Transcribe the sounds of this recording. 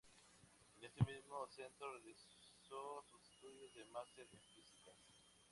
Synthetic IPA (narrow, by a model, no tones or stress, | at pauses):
enest̪emizmosent̪ɾorelisosuse̥st̪uðjozðemast̪eɾefisikas